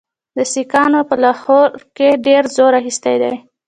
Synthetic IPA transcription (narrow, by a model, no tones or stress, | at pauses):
d̪əsikɑnopəlaxoɾkeɖeɾzoɾaxist̪ajd̪a̰j